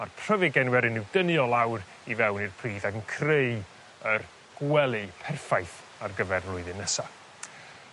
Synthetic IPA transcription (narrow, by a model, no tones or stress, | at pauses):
arpʰr̥əvɨɡɛnwɛɾɨnɪwd̥ənɨɔlˠawɾ | ivɛwnirpʰriːðaɡənkʰrej | ər | ɡ̥wɛlˠɪpʰɛrfajθ | arɡəvɛrvlˠʊɨðɨnːəsa